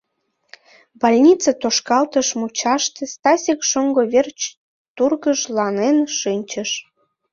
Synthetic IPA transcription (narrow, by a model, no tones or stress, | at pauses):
bɑlʲnʲit͡sɑt̪oʃkɑlt̪əʃmut͡ɕɑʃt̪ĕst̪ɑsʲikʃoŋɡoβert͡ɕ | t̪urɣəʃlɑnenʃɨnʲt͡ɕəʃ